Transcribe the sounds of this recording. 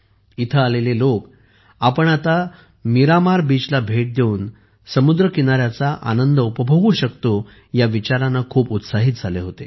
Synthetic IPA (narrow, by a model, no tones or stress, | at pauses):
it̪ʰəalelelok | apəɳat̪a | miɾamaɾbit͡ɕlabʱeʈ̚d̪euːn | səmud̪ɾəkinaɾjat͡saʔa̰nənd̪əupəbʱəʋuɕəkt̪o | jaʋit͡ɕaɾanːakʰuːput̪saɦit̪̚d͡zʱaleɦot̪ḛ